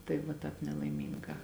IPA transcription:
tɐɪ ʋɐ ˈtɑːp nʲɛlˠɐɪˈmʲiːŋɡɑː

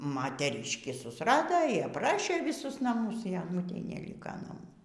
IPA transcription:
mɐtʲɛˈrʲɪʃʲkʲiː sʊsˈrɑːdoː iː ɐpˈrɑːʃʲeː ʋʲiːˈsʊs nɐˈmʊs iː ɐˈnʊtʲɛɪ nʲɛˈlʲiːkɐ nɐˈmuː

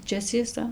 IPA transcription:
ˈt͡ʃʲɛ t͡sʲiɛˈsɐ

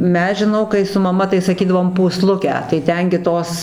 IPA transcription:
ˈmʲɛs ʒʲɪˈnɐʊ kɐɪ sʊ mɐˈmɐ tɐɪ sɐˈkʲiːdɐʋoːm puːˈslˠʊkʲæː tɐɪ ˈtʲɛn ɡʲɪ ˈtoːs

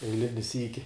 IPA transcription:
ɛɪˈlʲɪnʲɪ ˈsʲiːkʲɪ

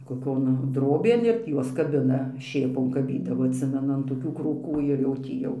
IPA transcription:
koːˈkʲoːn ˈdroːbʲeːn ɪr tʲiː ˈjuɔs kɐˈbʲɪnɐ ˈʃʲeːpoːn kɐˈbʲiːdɐʋoː ɐtʲˈsʲɪmʲɛnʊ ɐn toːˈkʲuː kruːˈkuː ɪr jɛʊ ˈtʲiː jɛʊ

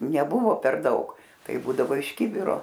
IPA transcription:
nʲɛˈbʊʋoː pʲɛr ˈdɐʊk ˈtɐɪ ˈbuːdɐʋoː ɪʃ ˈkʲɪbʲɪroː

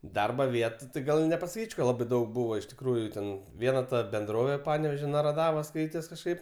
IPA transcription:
ˈdɐrbɐ ˈʋʲiɛtʊ tɐɪ ˈɡɐlˠ ɪ nʲɛpɐsɐˈkʲiːt͡ʃʲ kɐ ˈlˠɑːbɐɪ ˈdɐʊk ˈbuːʋɐ ɪʃ tʲɪkˈruːjuː ˈtʲɛn ˈʋʲiɛnɐ tɐ bʲɛnˈdroːʋʲeː ˈpɑːnʲɛʋʲeːʒʲoː nɐrɐˈdɑːʋoːs ˈskɐɪtʲɛs kɐʃˈkɐɪp

